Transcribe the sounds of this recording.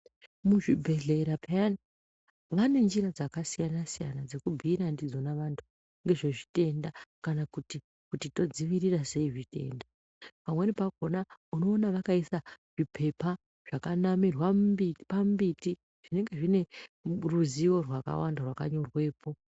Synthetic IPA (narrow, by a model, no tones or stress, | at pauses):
muʐibʱe̞ɮe̞ɾapʰaani | ŋɡane̞nd͡ʒiɾad͡zakasijanasijanad͡ze̞kubʱiːɾandid͡zo̞naʋantʰu̥ | ŋɡe̞ʐe̞ʐite̞ndakanakuti | kutito̞d͡ziʋiɾirase̞iʐite̞̰ːnda | pamwe̞nipaɡʱo̞nauno̞ːnaʋakaisaʐ̥ipʰe̞pa | ʐ̥akanamirwabipambiti | ʐ̥ine̞ŋɡe̞ʐine̞ruziwo̞rwaka̰wa̰ndarwaka̰ɲo̞rwe̞ːpo̞